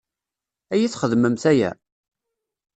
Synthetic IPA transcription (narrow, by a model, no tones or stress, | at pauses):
æjiθχəðməmθæjæ̰